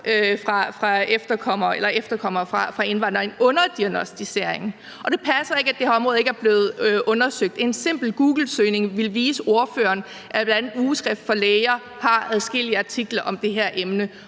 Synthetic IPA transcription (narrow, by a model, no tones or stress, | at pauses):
ʔøfʁɑ̈fʁɑ̈efd̥ɐkʰɒ̽m̰ɐelɐefd̥ɐkʰɒ̽m̰ɐfʁɑ̈fʁɑ̈e̝nʋɑ̈n̰d̥ʁɐe̝nɔ̽nɐd̥iænɒsd̥ise̝ɐ̰e̝ŋ | ʔɒ̽ɾ̥e̝pʰæsɐe̝ɡ̥æd̥ehæɐɒ̽mʁɔ̽ð̩ˠe̝ɡæɐb̥le̝ːð̞̩ˠøʔɔ̽nɐsøɡ̥̚d̥e̝nse̝m̰b̥l̩ɡ̥uːɡ̥l̩søɪne̝ŋʋe̝lʋiːsəo̝ɐfø̰ːɐn | ʔæb̥lænduːsʰɡ̥ɛfd̥fɒ̽leɪɐ | hɑ̈æðˠsɡ̥e̝l̰iəɑ̈t͡sʰiɡ̥lɐʔɒ̽md̥e̝ɦeɐ̰ʔemnə